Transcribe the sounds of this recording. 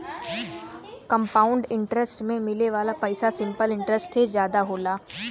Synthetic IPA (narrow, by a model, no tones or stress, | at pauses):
kəmpaːʊ̃ɳɖɪ̃ɳʈɾəsʈmẽmɪleʋaːlapɐɪsasɪ̃mpəlɪ̃ɳʈɾəsʈsezjaːd̪aɦoːlaː